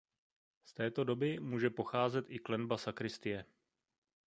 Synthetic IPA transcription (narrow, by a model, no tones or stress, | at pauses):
st̪ɛːt̪o̞do̞bɪmuːʒɛpo̞xaːzɛt̪ʔɪklɛnbasakɾɪst̪ɪjɛ